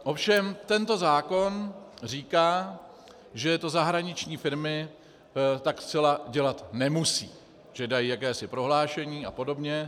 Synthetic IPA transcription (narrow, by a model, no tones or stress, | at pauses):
ʔo̞fʃɛmt̪ɛnt̪o̞zaːko̞nr̝iːkaː | ʒɛt̪o̞zaɦɾaɲɪt͡ʃɲiːfɪɾmɪ | t̪akst͡sɛlaɟɛlat̪nɛmusḭː | ʒ̥ɛdajiːjakɛːsɪpɾo̞ɦlaːʃɛɲiːapo̞do̞bɲɛ